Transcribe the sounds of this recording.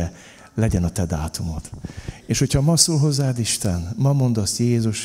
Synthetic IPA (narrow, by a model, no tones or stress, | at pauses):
ɛ | lɛɟɛnɒt̪ɛd̪aːt̪umo̞t̪eːʃho̞chɒmɒsoːlɦo̞zːaːd̪iʃt̪ɛnmɒmo̞nd̪ɒsjeːzuʃ